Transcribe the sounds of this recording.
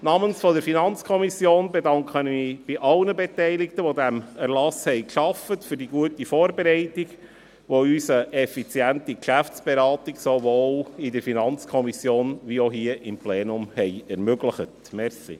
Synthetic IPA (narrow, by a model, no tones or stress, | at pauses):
nɑmənsfɔdəɾfinɑnt͡skʰɔmisjoːnbedɑŋkχənmiːb̥iʔɑlnəbetɛɪlɪk̚təʋodæmæɾlɑshɛɪkʃɑfətfʏɾdiɡuətifoːɾbeɾɛɪtiɡ | ʋoysəʔɛfit͡sjæntikʃæft͡sb̥eɾɑːtiɡsovoːlɪdəɾfinɑnt͡skʰɔmisjoːnʋioɦiəʔɪmpleːnʊmhɛɪɛɾmøɡləχətmɛɾsḭ